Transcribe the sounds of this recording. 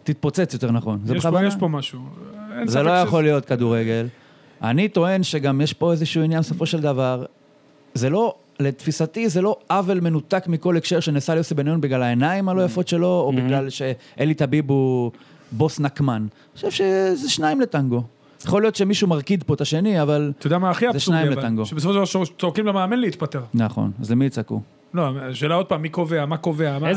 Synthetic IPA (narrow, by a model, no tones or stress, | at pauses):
t̪it̪̚po̞t͡set͡sjot̪e̞ʁnaχo̞nzeabjeʃomaʃuenzelojaχo̞lijo̞t̪̚kad̪uʁeɡe̞l | ʔa̰nit̪o̞e̞nʃe̞ɡamjeʃpo̞e̞zeʃuuinjanbeso̞fo̞ʃeld̪avaʁ | ze̞lo̞ | le̞t̪fisat̪izelo̞avelme̞nut̪akmiko̞lekʃe̞ʁʃenesaljosebenajonbiɡlalaenaimalo̞jafo̞t̪ʃe̞lo̞ːbiɡlalʃe̞ʔelit̪abibu | bo̞snakman | o̥ʃevʃezeʃnaimlet̪aŋɡo̞ | jaχo̞lijo̞t̪ʃemiʃumaʁkid̪po̞t̪aʃe̞niavalod̪amaːχiazeʃnajimletaŋɡoʃebesofodavat͡sokimlemaːmenleit̪pat̪eʁnaχo̰nazlemiːt͡sakṵ | loʃeːlaod̪̚paːmːiko̞veamako̞veaa